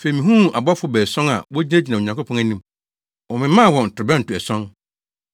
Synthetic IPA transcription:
fe˨i˨mĩ˨ɦũ˦˨a˨bɔ˦fʊ˨˦bɛ˨sɔ̃˦ŋa̰˨wɔ˦d͡ʑi˦e˦d͡ʑi˨nã˨o˨ɲã˨ŋko˦pʰɔ̃˦æ˨nĩ˦m | wɔ˨mɪ̃˦mã˦˨wɔ̃˨n̩˨tʊ˨ʊ˨bɛ̃˦n̩˨tʊ˨ɛ˨sɔ̃˦n

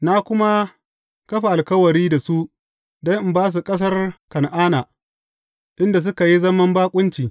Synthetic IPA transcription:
na˦kʷʊ˦ma˦ | kɐ˦ɸa˨ʔa˨lkɐ˦wɐ˨ɾiː˦da˨su˦ʔ | dɐ˦ŋʔɪ˦mbaː˦s̬u˨kʼɐ˦s̬ɐ˦rkɐ˨nʔaː˦naː˨ | ʔɪ˦nda˨s̬ʊ˦ka˨ji˦zɐ˦mɐ˦mbaː˦kʷʼʊ˦nt͡ʃiː˨

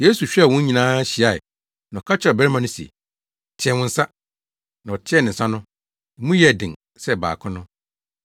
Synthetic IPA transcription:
je˦su˨ɕᶣɛ˦˨wʊ̃˦ɲĩ˨nãː˦ɕi˨a˦˨ɪ̰˨ | nã˨ɔ˨kʰa˦t͡ɕʰɪ˦ɔ˨bɛ˦ɾmã˨nʊ̃˦si˨ḛ˨ | tʰɪ˦ɛ˦wʊ̃˦n̩˦sa˦ | nã˨ɔ˨tʰɪ˦ɛ˦˨nɪ̃˨n̩˨sã˦nʊ̃˦˨˦ | mũ˦jɛ˦˨dɪ̃˨ŋ | sɛ˦˨ba̰ː˨kʰʊ̃˦nʊ̃˦

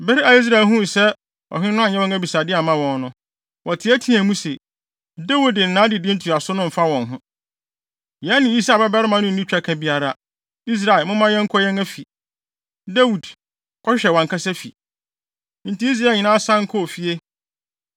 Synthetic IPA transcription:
bɛ˦ɾi˦a˨i˦s̬ɾa˨ɦũ˦˨sɛ˦ | ɔ̰˨ɦɪ˦nʊ̃˦a˨ɲɛ̃˦wɛ˦ŋæ˦bi˨sa˨dɪ˦a˨mã˦wɔ̃˨nnʊ̃˦ | wʔɔ˨tʰɪ˨˦æ˦tʰĩ˦æ̃˨mũ˦sḛ˨ | da˦wu˨dɪ˨n̩˨nã˦dɪ˨dɪ̃˦n̩˦tʰu˨a˨sʊ˦nʊ̃˦m̩˨fa˦wɔ̃˨nɦʊ̃˦ | jɛ˨˦nɪ̃˨˦i˦sa˨bɛ˦bɛ˦ɾɪ˦mã˨nʊ̃˦n̩˨nĩ˦t͡ɕᶣa˦kʰã˨bi˨˦a˨ɾa˦˨ | i˦s̬ɾa˨ɪ˨lmʊ̃˦mã˦jɛ̃˦ŋ̩˦kʰɔ˦jɛ̃˦ŋæ˦fi˨ | dæ˦wu˨d | kʰɔ˦ɕᶣɪ˦ɕᶣɛ˨wɔ̃˨ŋ˨kʰa˦sɛ˦fḭ˨ | n̩˨ti˦i˦s̬ɾa˨ɲɪ̃˨nã˦sã˦ŋ̩˦kʰɔ˦˨fi˨e˦

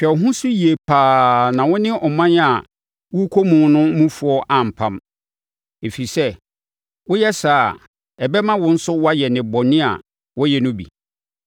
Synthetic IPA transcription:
fɛ˨ɔ˨ɦʊ̃˦sʊ˦ji˨e˨pʰaː˨˦nã˨wʊ̃˦nɪ̃˦ʔɔ˨mã˦na˨ | wʊ˦kʰo˦mũː˨˦nʊ̃˦mũ˦fu˨ɔ˦ʔã˨m̩˨pʰã˦m | e˨fi˨sɛ˦ | wʊ˦jɛ˦saː˨ | ɛ˨bɛ˦mã˦wʊ̃˦n̩˦sʊ˦wa˦jɛ˨nɪ̃˨bɔ˨nɪ̃˦a̰˨ | wɔ˦jɛ˨nʊ̃˦bḭ˨

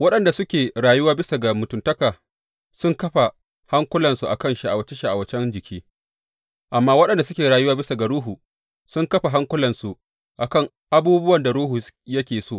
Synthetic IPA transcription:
wɐ˦ɗɐ˨nda˨sʊ˦kʲeː˨ɾaː˨jʊ˦waː˦bɪ˦sa˨ɡa˨mʊ˨tʊ˨ntɐ˦kaː˨ | sʊ˦ŋkɐ˦ɸa˨ | ha˦ŋkʷʊ˦lɐ˨nsu˨ʔa̰˨kɐ˦nʃi˦ʔa˨wɐ˦t͡ʃe˦ʃa˦˨ʔa̰˨wɐ˦t͡ʃɛ˦nd͡ʒɪ˨kʲʰiː˦ | ʔa˨mːaː˦wɐ˦ɗɐ˨nda˨sʊ˦kʲeː˨ɾaː˨jʊ˦waː˦bɪ˦sa˨ɡa˨ɽuː˦ɦu˨ | sʊ˦ŋkɐ˦ɸa˨ɦa˦ŋkʷʊ˦lɐ˨nsu˨ | ʔa˨kɐ˦˨ŋ | ʔa˦buː˦bʊ˦wɐ˨nda˨ɽuː˦ɦu˨jɐ˦kʲeː˨soː˦˨

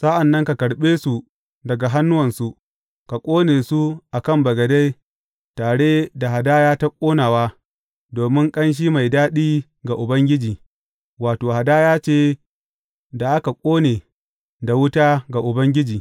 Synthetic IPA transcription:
sa˦ʔa˨nːɐ˦ŋka˨kɐ˨ɽɓeː˦su˨ | dɐ˨ɡa˨ɦa˦nːʊ˦wɐ˨nsu˦ | ka˨kʷʼoː˦neː˨su˦ʔa˨kɐ˦mbɐ˨ɡɐ˨da˦j | taː˨ɽe˦da˨ɦa˨daː˦jaː˦ta˦kʷʼoː˦naː˨waː˦ | doː˨mɪ˦ŋkʼɐ˦nʃ̬iː˦ma˨jdaː˦ɗiː˦ | ɡa˨ʔʊ˨bɐ˦ŋɡʲɪ˦d͡ʒiː˨ | waː˨toː˨ha˨daː˦jaː˦t͡ʃeː˦˨ | da˨ʔa˦ka˨kʷʼoː˦neː˨ | da˨wʊ˦taː˦ɡa˨ʔʊ˨bɐ˦ŋɡʲɪ˦d͡ʒiː˨

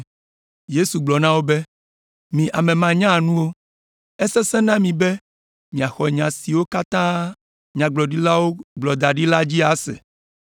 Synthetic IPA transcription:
je˦su˨ɡ͡blɔ˨nã˦wo˦be˦ | mĩ˨ʔa˨mẽ˨mã˨ɲã˦˨nũ˦wo˦ | ɛ˦sɛ˦sɛ̃˦nã˦mĩ˨be˦ | mĩ˨a˨xɔ˨ɲã˨si˨wo˦ka˦t̪ã˦ | ɲã˨ɡ͡blɔ˨ɖi˦la˦wo˦ɡ͡blɔ˨d̪a˨ɖi˦la˦d͡ʑi˦a˨˦sɛ̰˨

